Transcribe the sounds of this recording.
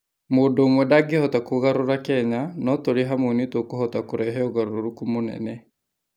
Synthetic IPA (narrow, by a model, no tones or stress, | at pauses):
modoːmwɛdaɡehɔtakoɣaɾoɾakɛɲanɔtoɾeɦamonitokohɔtakoɾɛɦɛɔɣaɾoɾoɾukumonɛ̰nɛ